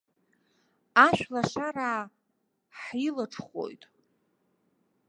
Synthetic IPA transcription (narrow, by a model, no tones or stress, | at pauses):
aʃʷᶣlaʃaɾaː | ħilɨʈ͡ʂʰχo̰jtʼ